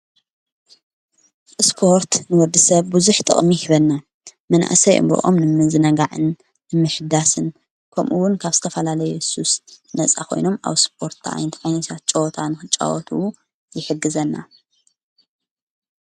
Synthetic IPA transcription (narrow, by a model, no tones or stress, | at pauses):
spʰo̞ɾt̪nɨwɔɾd̪ɨsɐβbuzuħt̪ʼɨ̰χʼmihʰɨβɐlːa | mɐnʔa̰ʔsɐjʔɨ̰mbɐ̰ʔo̰mnɨmɨzɨnɐɡaʕɨ̰nː | ɨmːɨħɨd̪asɨn | kʰɐmʔuwʊnkʰaβz̥ɨt̪ʰɐfɐlalɐjususnɐt͡sʼa̰kʰo̞̰jno̞ma̰βsp̚ʰo̞ɾt̪ʰaʔa̰jnɐt̪ʕajnɐt̪ʰat̪̚t͡ʃʼowt̪ʰanɨxɨt͡ʃʼːa̰wɔt̪ʰuw | jɪħɨɡːɨzɐnːa̰